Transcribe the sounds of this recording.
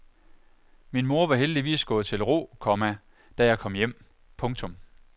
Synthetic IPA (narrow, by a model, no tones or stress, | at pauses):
minmo̝ɐʋɑ̈ɦeld̥iʋḭːsɡ̥ɔ̽ːð̩ˠt͡sʰe̝lʁo̝̰ːkʰɒ̽mæ | d̥æjɑ̈ɪkʰɒ̽m̰jem̰ | pʰɔ̽ŋt͡sʰɔ̽m